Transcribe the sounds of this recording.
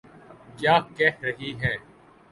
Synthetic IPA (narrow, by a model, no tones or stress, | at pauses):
kjaːkɛhɾɐɦiɦɛː